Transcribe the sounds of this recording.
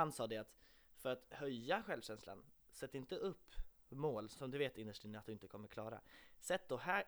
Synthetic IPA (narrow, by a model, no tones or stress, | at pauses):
ansɑːd̪ɛat̪ | fœɾat̪hœjːaɧɛlvɕɛnsla̰n | sɛt̪ːɪnt̪əʔɵpː | moːlsɔmd̪ɵveːt̪ɪnd̪əʂʈɾiːnat̪̚d̪ɵɪnt̪ə̥kʰɔmːəɾkʰlɑːɾa̰sɛt̪ːd̪ɔɦæː